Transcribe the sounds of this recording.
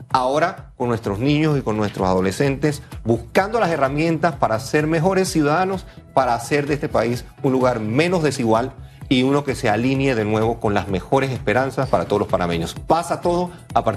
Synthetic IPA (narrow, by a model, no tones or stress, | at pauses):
ao̞ɾakonːwe̞st̪ɾo̞znĩɲo̞siko̞nːwe̞st̪ɾosað̞o̞le̞se̞nt̪e̞sbuskand̪o̞lase̞ramjẽ̞nt̪aspaɾase̞ɾme̞xo̞ɾe̞sːjuðaðano̞spaɾaːse̞ɾðeest̪epais | unluɣaɾmẽ̞no̞zðe̞siɣwaliuno̞ke̞sealinje̞ðe̞nwe̞βo̞ko̞nla̰zme̞xo̞ɾe̞s̬e̞spe̞ɾansaspaɾat̪o̞ð̞olospaɾnamẽɲospasat̪o̞ð̞o̞ | apaɾ